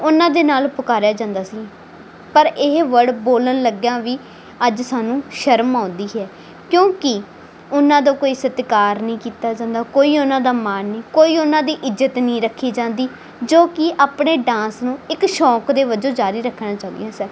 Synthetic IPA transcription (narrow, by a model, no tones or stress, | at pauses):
ʊnãːd̪eːnaːlpʊkaːɾjaːd͡ʒãːnd̪aːsiː | pəɾɪɦʋəɽboːlənləɡjãːʋiː | əd͡ʒsaːnũːʃəɾmãːnd̪iːɦɛː | kjõːkɪ | ʊnãːd̪oːkoːiːsət̪kaːɾnĩːkiːt̪aːd͡ʒãːnd̪aːkoːiːʊnãːd̪aːmaːnːĩːkoːiːʊnãːd̪iːʔɪzət̪nəĩːɾəkʰːiːd͡ʒãːnd̪iː | d͡ʒoːkɪʔaːpɽeːɖãːsnũːɪkʃɔːkd̪eːʋəd͡ʒõːd͡ʒaːɾiːɾəkʰːnãːt͡ʃaːʊ̃nd̪̰jãːsɛː